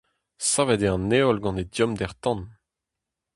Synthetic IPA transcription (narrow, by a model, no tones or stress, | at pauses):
savɛdeɑ̃neɔlɡɑ̃nedjɔmd̪ɛʁt̪ɑ̃n